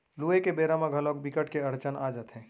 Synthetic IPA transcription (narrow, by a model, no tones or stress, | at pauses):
luekebeɾamãɡʱəlok̚bikəʈkeəɾt͡ʃənad͡ʒət̪ɦɛ̃ː